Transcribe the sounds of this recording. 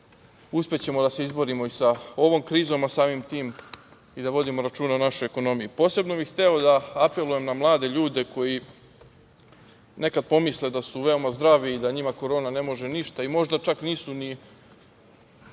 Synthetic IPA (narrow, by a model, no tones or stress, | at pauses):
uspet͡ɕe̞mo̞d̪ase̞izbo̞ɾimo̞isao̞ʋo̞mkɾiːzo̞masaːmimt̪iːm | id̪aʋo̞d̪imo̞ɾat͡ʃuːnanaʃo̞jeko̞no̞mijipo̞ːse̞bno̞bixt̪eod̪aape̞luje̞mnamlˠaːd̪e̞ʎuːd̪e̞ko̞ji | ne̞kad̪̚po̞misled̪asuʋe̞omazd̪ɾaʋiːd̪aɲimako̞ɾo̞ːnane̞mo̞ʒe̞niʃt̪aimo̞ʒd̪at͡ʃakniːsuni